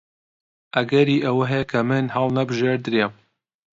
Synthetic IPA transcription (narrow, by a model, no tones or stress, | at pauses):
ʔɐɡɛɾiːʔɐwaɦekʰɐmɨnhalnɐbɨʒeːɾd̪ɨɾem